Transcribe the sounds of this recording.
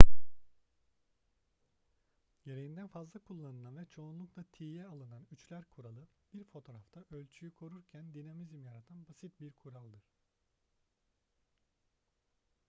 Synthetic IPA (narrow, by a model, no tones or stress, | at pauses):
je̞ɾe̞jind̪ænfazlˠakʰulˠːanɯlˠanvɛt͡ʃʰo̞unlˠuklˠat̪ʰiːjɛalˠɯnanyt͡ʃlʲæɾkʰuɾalˠɯb̥iɾfo̞t̪ʰo̞ɾaft̪ʰaʔølʲt͡ʃʰyjykʰo̞ɾuɾcʰænd̪inamizmjaɾat̪ʰanbasit̪̚biɾkʰuɾalˠd̪ɯɾ̥